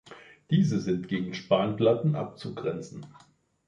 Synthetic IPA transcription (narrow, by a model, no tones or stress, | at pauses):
d̥iːzəzɪntɡ̥eːɡŋ̩ʃpaːnplatn̩ʔa̰p̚t͡suɡʁɛnt͡sn̩